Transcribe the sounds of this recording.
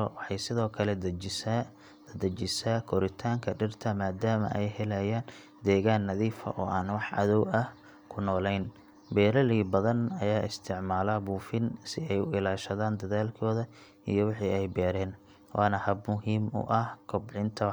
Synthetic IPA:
wɑħɑjsɪðɔːkʰɐlɛd̪s | ɐd̪ɐt͡ʃɪsaːkʰɔɾɪt̪ʰaːŋkʰɐɖɪrt̪ʰɐmaːd̪aːmɐ̰ʔɛjhɛlɐjaːn | d̪ɛːɣaːnːɐðiːfɐ̰ʔɔːʔaːnwɑħɑ̰ðɔwɐh | kʰʊnɔːlɛjn | bɛːɾɐlibɐðɐnɐjaːʔɪst̪ʰɪʕmaːlabuːfɪnsɪɛjʊɪlaːʃɐðaːnd̪ɐðaːlkʰɔːðɐ | ijɞwɑħiːɛjbɛːɾɛːn | wʔɑːnɐhɐbmʊɦiːmʊ̰ʔɐhkʰɔbʕɪnt̪ʰɐ

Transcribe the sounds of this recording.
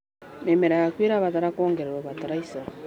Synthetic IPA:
memeɾajakweɾaβataɾakoːŋɡeɾeɾoβataɾaisa

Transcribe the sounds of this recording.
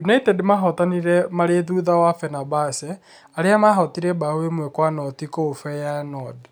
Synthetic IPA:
unaitɛdmaɦɔtaniɾɛmaɾeðuːðawafɛnabasɛ | aɾeamaɦɔtiɾɛbawemwekwanɔtikoofɛjaɛnɔd

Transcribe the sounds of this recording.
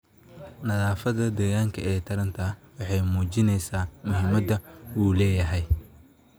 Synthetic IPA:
nɐðaːfɐðɐd̪ɛːɣaːŋkʰɐʔɛːt̪ʰɐɾɐnt̪ʰɐwɑħɑjmuːt͡ʃɪnɛjsaːmʊɦɪmɐd̪ɐuːlɛːjɐɦɛj

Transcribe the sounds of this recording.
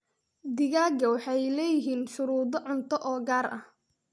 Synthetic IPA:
d̪ɪɣaːɡɐwɑħɑjlɛːjɪɦiːnʃʊɾuːðɔʕʊnt̪ʰɔʔɔːɡaːrʔɐ̰h

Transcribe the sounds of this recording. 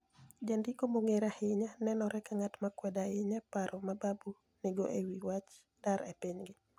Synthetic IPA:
d͡ʒandikomoŋeɾahɪɲanɛnɔɾɛkaŋatmakwɛdaɪɲapaɾʔɔmababu | nɪɡoʔewiwat͡ʃ | d̥aɾepiɲɡɪ

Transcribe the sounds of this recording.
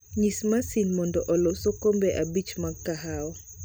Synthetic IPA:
ɲismasinmɔndɔʔɔlɔsokombɛʔabit͡ʃmaaɦaɔ

